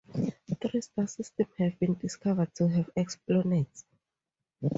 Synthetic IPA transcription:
t̪ɹistasistɛ̃mhɛvbĩndiskʰavəd̚tʰuɦɛvɛksplɔnet

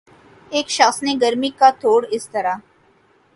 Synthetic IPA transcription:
eːkʃaːxsneɡəɾmikat̪oːɽɪst̪ɐɾaː

